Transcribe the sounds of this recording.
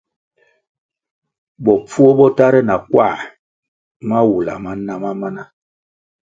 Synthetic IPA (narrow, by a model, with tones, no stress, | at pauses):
bɔ˨p͡fu˦o˦bɔ˦ta˦ɾɛ˦na˨kwa̰˦˨ | ma˦wu˨la̰˨ma˦na˦ma˦ma˦na˦